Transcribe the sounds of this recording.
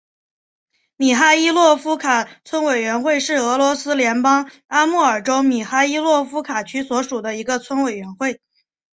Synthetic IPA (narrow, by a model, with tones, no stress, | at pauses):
mi˨˩xa˥i˥lwɔ˥˩fu˥kʰa˨˩t͡sʰwə˥nwe˨˩ɪɥɛ˧˥nxwe˥˧ɪʂɻ̩˥˩ɤ˧˥lwɔ˧˥sɹ̩˥ljɛ˧˥npɑ˥ŋ | a˥mu˥˩ə˞˨˩ʈ͡ʂo˥ʊmi˨˩xa˥i˥lwɔ˥˩fu˥kʰa˨˩t͡ɕʰy˥swɔ˧˥ʂu˨˩d̪ə˦i˧˥ɡə˧t͡sʰwə˥nwe˨˩ɪɥɛ˧˥nxwe˥˩ɪ